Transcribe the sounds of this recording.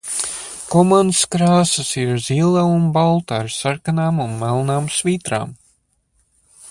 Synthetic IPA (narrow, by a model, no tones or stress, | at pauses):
kɔmanskɾaːsɐsiɾziːlˠaunbalˠt̪aɾsaɾkanaːmunmɛlˠnaːmsviːt̪ɾa̰ːm